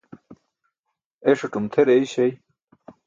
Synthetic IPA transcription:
eʂoʈumt̪ʰeɾeiɕej

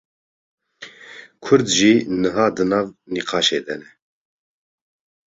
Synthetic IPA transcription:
kʰʊɾd̪ʒiːnɨɦɑːd̪ɨnɑːvniqʰɑːʃeːd̪ɛnɛ

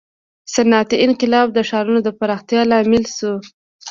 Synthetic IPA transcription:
sanat̪iɪnqɪlɑb̚d̪əʃɑɾunod̪əpaɾɑxt̪jɑlɑmɪlʃu

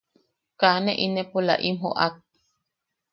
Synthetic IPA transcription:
kaneʔinepula̰ʔimɦo̰ʔak̚

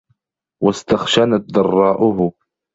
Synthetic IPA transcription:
wast̪axʃanat̪̚d̪ɑrˤːɑːʔʊhʊ

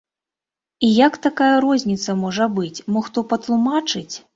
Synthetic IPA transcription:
ijakt̪akajɐɾɔzʲnʲit̪sɐmɔʐɐbɨt͡sʲmɔxt̪ɔpɐt̪lˠumat͡ʂɨt͡sʲ

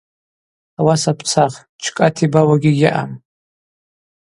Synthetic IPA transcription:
awasapʰt͡sʰaχ | t͡ʃʷʰkʼatʰibawaɡʲɪɡʲɪʔa̰m

